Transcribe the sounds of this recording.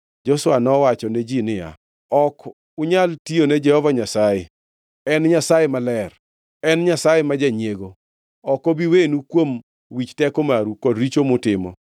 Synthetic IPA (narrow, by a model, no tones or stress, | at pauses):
d͡ʒɔswanɔwat͡ʃɔned͡ʒinɪja̰ | ɔk | ʊɲaltioned͡ʒɛhɔvaɲasajɛ | ɛnɲasajemalɛr | ɛnɲasajɛmad͡ʒaɲeɡo | ɔkobiwenukwom | wit͡ʃtɛkomaɾukɔdɾit͡ʃomʊtɪmɔ̰